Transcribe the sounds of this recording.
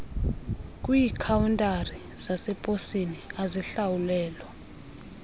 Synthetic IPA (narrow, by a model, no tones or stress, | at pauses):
kʼwiːkʰawuntʼari | z̥asɛpʼosiniazɛɬawulɛːlɔ